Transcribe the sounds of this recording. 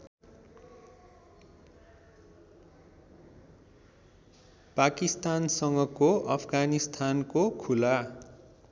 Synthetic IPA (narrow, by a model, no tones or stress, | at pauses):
pakist̪ansʌŋɡʌkoʔʌpʰɡanist̪ʰankokʰula